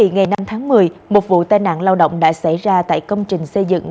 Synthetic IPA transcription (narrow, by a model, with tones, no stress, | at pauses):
ḭ˧˨ŋa˨˩jna˧mt̪ʰaː˨˦ŋmɨ˨˩əjmo˨˩t̚vṵ˧˨t̪aː˧˩jna̰ː˧˨nlaː˧wɗə̰˧˨wŋ͡mɗa̰ː˧˥sa˧˩jzaː˧t̪a̰ː˧˨jkə˧wŋ͡mt͡ɕï˨˩ŋ̟sə˧jzɨ̰˧˨ŋ